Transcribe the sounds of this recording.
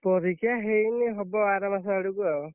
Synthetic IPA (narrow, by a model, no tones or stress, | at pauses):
pɔɾikʰjaɦejneɦɔbɔaɾamasaaɽukua